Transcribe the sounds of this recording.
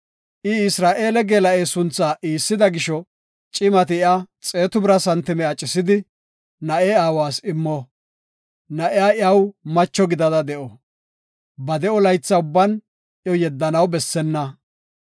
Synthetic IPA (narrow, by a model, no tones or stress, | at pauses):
ʔɪɪsɾaːʔe̞ːlɛɡeːlɐʔeːsʊnt͡sːaːʔiːsːɪd̪ɐɡɪʃɔ | t͡ʃʼɪmɐt̪ɪɪat͡sʼeːt̪ʊbɾɐsɐnt̪ːɪmɛat͡ʃʼɪsɪd̪ɪ | nɐʔeːaːwaːsɪmːɔ | nɐʔɪjaːɪɐwmɐt͡ʃːɔɡɪd̪ɐd̪ɐd̪ɛʔɔ | bɐd̪ɛɔlɐjt͡sːɐʊbːɐn | jɔjɛd̪ːɐnɐwbɛsːɛnːɐ